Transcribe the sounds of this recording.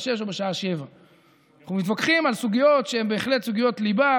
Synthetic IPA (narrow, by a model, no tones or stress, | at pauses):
ʃe̞ʃ̬obeʃaaʃe̞va | naχnumit̪vakχimalsuɡijo̞tʃeembe̞ːχle̞t̪suɡijo̞t̪liba